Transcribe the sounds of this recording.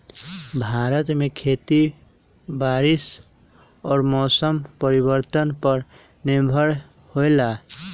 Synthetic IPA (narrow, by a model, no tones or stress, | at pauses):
bʱaɾət̪mekʰet̪i | baɾis | ɔːɾmɔsəmpəɾibəɾt̪ənpəɾ | nimbʱəɽ | hojla